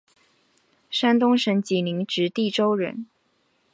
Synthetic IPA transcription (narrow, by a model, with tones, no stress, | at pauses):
ʂa˥nt̪ʊ˥ŋʂə˧˥ŋt͡ɕi˨˩ni˧˥ŋʈ͡ʂɻ̩˧˥t̪i˥˩ʈ͡ʂo˥ʊɻə̰˧˥n